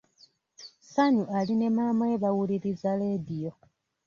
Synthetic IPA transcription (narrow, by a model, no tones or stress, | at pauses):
saɲuʔaline̞maːmaeβawuliɾizale̞ːdijo̞